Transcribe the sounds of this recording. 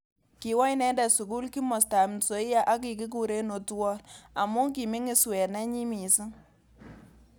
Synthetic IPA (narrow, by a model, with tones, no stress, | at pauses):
ki˨wa˦jnɛ˦ndɛ˨su˨k̬u˦lki˦mɔ˨sta˨m˨so˨˦ɪ˦ja˦ʔa˦k̬i˨k̬i˦k̬u˨ɾe˦no˨twɔ˦na˨mu˦ŋki˨mi˦ŋɪ˦swɛ˨nɛ˦ɲi˦mi˨si˦ŋ